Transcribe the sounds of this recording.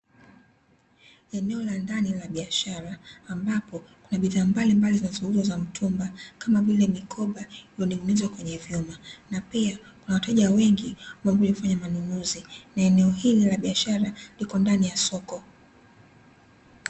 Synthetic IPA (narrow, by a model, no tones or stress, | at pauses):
ɛnɛɔlandanilaɓiaʃaɾaːmbapɔkunaɓiðaːmbalimbalizinazuhuɾiwazam̩tʰumbakamavilɛmikʰɔɓailɔnimunizwakwɛɲɛvjumanapia | kunawataʄawɛŋɡimambuɲkufaɲamanunuzinaɛnɛɔhililaɓiaʃaɾalikɔndanijasɔkɔ